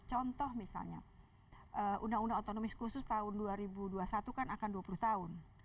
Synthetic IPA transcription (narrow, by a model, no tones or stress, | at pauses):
t͡ʃɔnt̪ɔhmisa̰lɲa̰ | ʔəʔunaŋunaot̪onomɪskusʊst̪aʊnduaɾibuduasat̪ukanakanduapuluht̪aʊn